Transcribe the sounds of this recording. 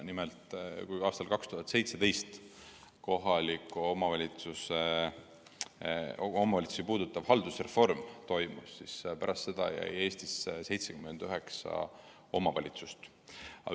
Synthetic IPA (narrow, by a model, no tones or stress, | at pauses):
nimelt̪kujɑːst̪ɑlkɑkst̪uɦɑt̪se̞jt̪se̞t̪e̞jst̪ | ko̞ɦɑlikːˑuomɑvɑlʲit̪suse | omɑvɑlʲit̪su̥sipuːd̪ut̪ːˑɑv̥hɑld̪usrefo̞rmt̪o̞jmusːispæɾɑst̪sed̪̥ɑ̰jæ̰je̞ːst̪isse̞jt̪se̞ɡ̥ymend̪̥yɦe̞ksɑ̰ | o̞mɑvɑlʲit̪sust̪ | ɑ̰